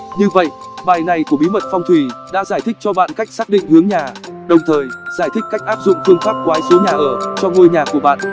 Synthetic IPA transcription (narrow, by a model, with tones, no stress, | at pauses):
ɲɨ˧və̰˧˨jʔ | ɓaː˨˩jna˨˩jku˧˩əɓi˨˦mə˨˩t̚fɔ˧wŋ͡mt̪ʰwi˨˩ɗa̰ː˧˥zaː˧˩jt̪ʰɪ̈˦˥k̚t͡ɕɔ˧ɓa̰ː˧˨nka˦˥jk̟̚saː˦˥k̚ɗḭ̈˧˨ŋ̟hɨ˨˦əŋɲaː˨˩ɗə˨˩wŋ͡mt̪ʰəː˨˩jzaː˧˩jt̪ʰï˦˥k̟̚ka˦˥k̟̚ʔaː˦˥p̚zʊ̰˧˨ŋ͡mfɨ˧əŋfaː˦˥p̚kwaː˨˦jso˨˦ɲaː˨˩ʔəː˧˩t͡ɕɔ˧ŋu˧əjɲaː˨˩ku˧˩əɓa̰ː˧˨n